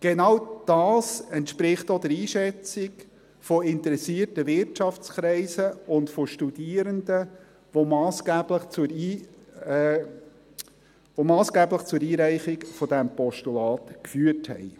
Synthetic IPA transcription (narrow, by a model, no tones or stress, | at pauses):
ɡ̥enɑwd̥ɑːsɛntʃpɾɪχtod̪ɛɾiːʃɛt͡sɪk | fɔɪnt̪əɾɛsiːərtəvɪrtt͡ʃɑft͡skɾɛɪsəʊndfɔʃtudiːəɾəndə | ʋomɑːsɡ̥æbləχt͡suiː | vomɑːsɡ̥æːbləχt͡sʊɾiːɾæɪχɪkfɔdæmpɔʃtulɑːtkfyːərthɛ̰ɪ